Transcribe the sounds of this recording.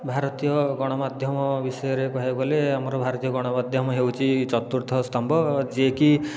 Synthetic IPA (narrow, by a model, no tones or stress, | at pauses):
bʱaɾɔt̪ijɔɡɔɽ̃ɔmad̪ʱjɔmɔbisɔjɔɾekɔɦeɡɔleamɔɾɔbʱaɾɔt̪ijɔɡɔɽ̃ɔmad̪ʱjɔmɔɦewt͡ʃʰit͡ʃɔt̪uɾt̪ʰɔst̪ʰɔmbʱɔd͡ʒeki